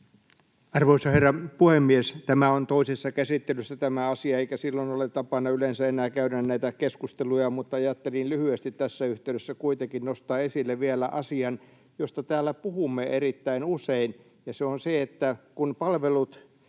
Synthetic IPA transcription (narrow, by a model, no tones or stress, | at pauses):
ɑrʋoisɑherːɑpuhemːiest̪æmæont̪oisesːɑkæsit̪ːelysːæt̪æmæɑsiɑeikæsilːonolett̪ɑpɑnːɑylensæenæːkæynænnæit̪ækeskust̪elujɑmut̪ːɑɑjɑt̪ːelinlyhyest̪it̪tæsːæyht̪eyɾesːækuit̪eŋkinnost̪ɑːesilːeʋʋielæ̰ʔɑsiɑn | jost̪ɑt̪æːlːˑæpuhumːeerit̪ːæinusein | jɑseonseet̪ːækunpɑlʋelut̪